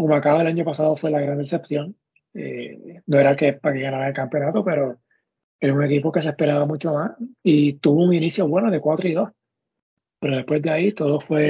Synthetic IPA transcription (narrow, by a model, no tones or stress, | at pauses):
komakaβoelaɲo̞pasaðofwe̞laɣɾand̪ɾese̞pθjo̞ŋ | ḛno̞e̞ɾake̞pakeɣanaɾaelkampjo̞nat̪ope̞ɾo̞ | e̞ɾaune̞kipoke̞s̬e̞hpe̞ɾaβamũt͡ʃo̞masit̪uβouŋiniθjo̞βwe̞noðe̞kwat̪ɾoiðo̞s | pe̞ɾo̞ðe̞hpwe̞zd̪eait̪o̞ðofwe̞